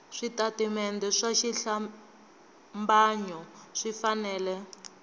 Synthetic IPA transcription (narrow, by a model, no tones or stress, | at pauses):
ʂitatimɛndɛʂaʃiɬa | mbaɲɔʂifanɛːlɛ